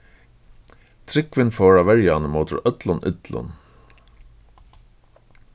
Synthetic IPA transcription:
t̪ʰɾɪkʋɪnfɔːɹaʋɛɹjanəmoːt̪ʊ̰ɹœt̪lʊnʔɪ̰t̪lʊ̰n

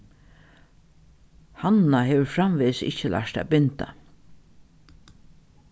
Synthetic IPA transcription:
hannaɦeːʋəɾfɾamʋeːsɪ̰t͡ʃːəlʔa̰ʂt̪æ̰ːbɪnt̪a̰

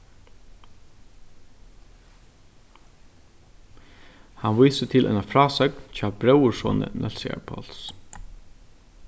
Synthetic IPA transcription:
hanʋijsət̪ʰɪlʔɛ̰nafɾɑːsœknt͡ɕʰaːbɾœwʊsɔ̰ːnə̰nʔɛ̰lsɪa̰ɹpʰɔ̰ls

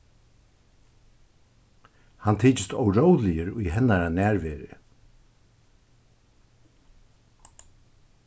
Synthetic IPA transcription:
hant̪ʰiːt͡ʃɪst̪ɔwɾowlɪjəɾʊjɦɛnːaɾanæːɾvɛːɾɪ̰

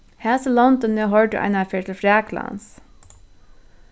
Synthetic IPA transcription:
hæːsəlɔnt̪ɔnːɛɦɔɹʈəʔa̰ɪnafeːt̪ʰɪlfɾæːklɑ̰ns

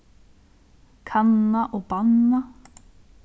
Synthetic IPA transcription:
kʰanːaʔobanːa

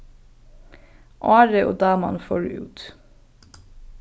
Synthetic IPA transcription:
ʔɑːɾəʔo̰ːd̪ɑːmɑ̰nfo̰ːɖʉ̰ːʉ̰ːt̪

